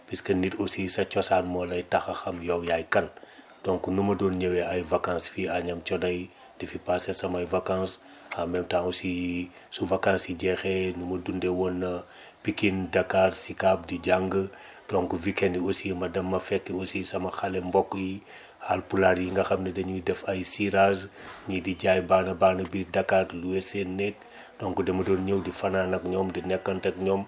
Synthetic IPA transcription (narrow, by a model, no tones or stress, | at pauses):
piskənitosisɐt͡ʃɔsaːnmɔlɐjtɐxɐxɐmjɔwjajkɐn | dɔŋkunumɐdɔːnɲɐwɛʔɐjvɐkãːnsfiaɲɐmt͡ʃɔdɐj | difipaːsɛsɐmɐjvɐkãns | amɛmtaŋusi | suvɐkãnsiɟɛxɛnumɐdundɛwɔnːɐ | pikindɐkaːrsikab̚diɟaŋɡə | d̥ɔŋkuvikɛndiosimɐdɐmːɐfɛkːeosisɐmɐxɐlɛmbɔkːji | halpulaɾjiŋɡɐxɐmnɐdɛɲuidɛfɐjsiɾazɲidiɟajbaːnɐbaːnɐbiːɾdɐkaːrluɛsenɛk̚ | dɔŋkudɛmɐdɔːnɲəwdifɐnanɐk̚ɲɔmdinɛkːɐntɛk̚ɲɔːm